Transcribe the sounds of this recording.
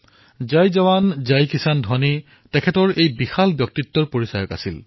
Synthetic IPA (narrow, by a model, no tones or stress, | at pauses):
zajzawanzajkisandʱɔni | tɛkʰɛtɔɹejbixalbjɔk̚titːɔɹpoɹisajɔka̰sil